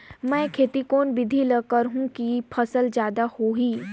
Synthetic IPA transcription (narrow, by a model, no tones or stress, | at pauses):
mɛ̃ːkʰeːt̪ikoːnbɪd̪ʱiləkəɾɦũkipʰəsəld͡ʒjaːd̪ahoːɦiː